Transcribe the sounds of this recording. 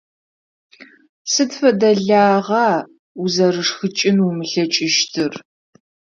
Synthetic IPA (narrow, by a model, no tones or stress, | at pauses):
sɨdfɐdɐɮaːʁɑː | uzɐrɨʂxɨt͡ʃʼɪnumɨɬɐt͡ʃʼɪʃtʰɨr